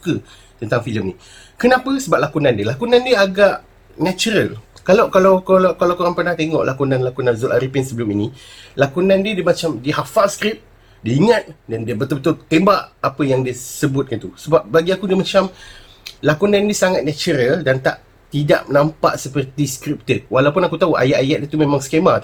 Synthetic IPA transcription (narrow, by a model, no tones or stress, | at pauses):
kə | t̪ənt̪aŋfiləmni | kənãpəsəbap̚lakunandiəlakunãndiəaɡaʔ | nat͡ʃuɾəlkalakalawkolakalawkoɾaŋpərnaht̪eŋɔ̰ʔlʔakunãnlakunãnzulʔaɾipinsəbəluminilakunandiədəmat͡ʃamdiɦafaskɾip̚ | diiŋat̪̚dandiəbət̪ʊlbət̪ʊlt̪embaʔapəjaŋdiəsəbʊt̪̚kant̪usəbap̚baɡiakudiəmat͡ʃam | lakunãndiəsaŋat̪̚nat͡ʃuɾəldant̪a̰ʔ | t̪ida̰ʔmənampa̰ʔsəpərt̪iskɾip̚t̪əwalawpʊnakut̪auʔa̰jaʔajaʔ̪̚diət̪umemaŋskema